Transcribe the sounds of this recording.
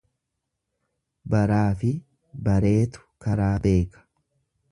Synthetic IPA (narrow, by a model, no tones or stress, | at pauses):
bɐɾaːfɪ | bɐɾe̞ːt̪ʊ̥kɐɾaːbe̞ːkɐ̥